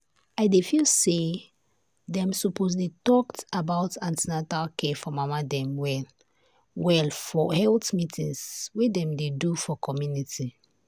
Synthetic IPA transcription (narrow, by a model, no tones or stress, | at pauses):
aɪdefilse | dɛ̃msupozlitɔktabaʊtãntinatalkɛfɔmamadɛ̃mwɛl | wɛlfɔhɛltmitĩŋswedɛ̃mdedufɔkʰɔmjuniti